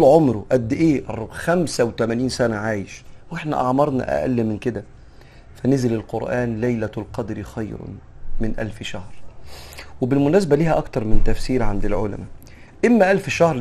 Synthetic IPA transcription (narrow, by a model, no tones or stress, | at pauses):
lʕomɾuʔæd̪ːʔeːʔɑrˤxæmsæwt̪æmæniːnsænæʕaːjeʃweħnæ̰ʔɑ̰ʕmɑɾˤnɑ̰ʔæ̰ʔæ̰lːemːɪnked̪æ | fænezelelqoɾʔæːnlæjlælqɑd̪ɾixɑjɾ̰mɪnʔæ̰lfʃæhɾ | webelmʊnæːsæbæliːhæʔɑkt̪ɑɾˤmɪnt̪æfsiːɾʕand̪elʕolæ̰mæ | ʔemːæʔælfʃɑhɾ